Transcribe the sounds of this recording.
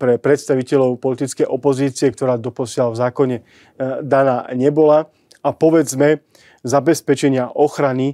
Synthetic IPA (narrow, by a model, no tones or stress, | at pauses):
pɾɛpɾɛt̪st̪aʋicɛlɔʊpɔlit̪it͡skɛjʔɔpɔziːt͡siɛk̚t̪ɔɾaːd̪ɔpɔsɪalavzaːkɔɲɛ | d̪anaːɲɛbɔla | apɔʋɛd͡zmɛ | zabɛspɛt͡ʃɛɲɪaʔɔxɾani